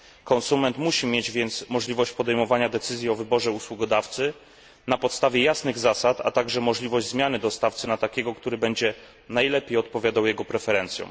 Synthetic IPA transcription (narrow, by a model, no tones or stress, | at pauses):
kɔnsumɛnt̪muɕimʲjed͡ʑvʲjɛnt̪smɔʐlʲivɔɕt͡ɕpɔd̪ɛjmɔvaɲad̪ɛt̪sɘzʲjiɔvɘbɔʐɛuswuɡɔd̪aft̪sɘ | napɔt̪st̪avʲjɛjasnɘɣzasat̪a̰t̪aɡʐɛmɔʐlʲivɔʑd͡ʑzmʲjanɘd̪ɔst̪aft̪sɘnat̪akʲɛɡɔkt̪uɾɘbɛɲd͡ʑɛ | najlɛpʲjejɔt̪̚pɔvʲjad̪awjɛɡɔpɾɛfɛɾɛnt̪sʲjɔ̰̃m̃